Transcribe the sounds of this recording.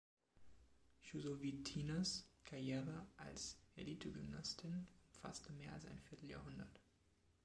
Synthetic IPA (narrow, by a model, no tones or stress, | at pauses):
ʃuzovitʰinaskʰajeːʁəʔa̰lsɛlitʰəɡʏmnastʰɪnʊmfa̰stəmeːɐalsa̰ɪnfɪɐtl̩ja̰ːɦʊndɐt